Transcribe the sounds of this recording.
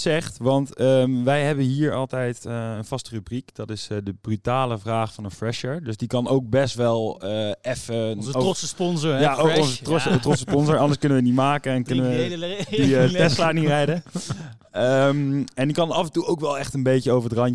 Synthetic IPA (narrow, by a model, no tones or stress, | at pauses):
sɛχtʋɑntəmʋɛjɦɛbənɦiːɹɑ̰lˠtɛjtəənv̥ɑstərʉbrikd̥ɑtɪsdəbrytaːləvraːχfɑnənfrɛʃəɹdɵsdikɑnowk̚bɛstʋɛlˠəɛfəsəspɔnzjaokɔnzəstrɔtsə̥stpɔnzɔɹɑndəɹskɵnəʋənitmaːkənɛnkɵnəʋəditɛslaːnirɛjdə | əmɛndikɑnɑfəntuowkʋɛlˠɛχtənbejcəowvəɹətrɑɲ